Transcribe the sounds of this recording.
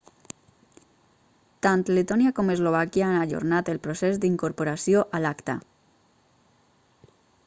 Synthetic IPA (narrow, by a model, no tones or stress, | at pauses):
t̪ant̪let̪onjakomezloβ̞akjaanaʎo̰ɾnat̪elpɾosezd̪iŋkoɾpoɾasjoʔalakt̪a̰